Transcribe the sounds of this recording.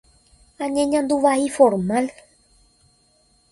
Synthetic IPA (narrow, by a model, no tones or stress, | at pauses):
ãɲẽɲãnd̪uʋaifo̞ɾmãl